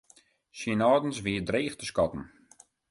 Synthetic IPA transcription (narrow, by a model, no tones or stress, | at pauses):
sinɔːdn̩sʋiədreːxtəskɔtn̩